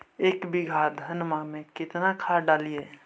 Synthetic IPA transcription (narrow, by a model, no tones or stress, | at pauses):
eːkbiɡʱad̪ʱənmamẽkɪt̪nakʰaɖalije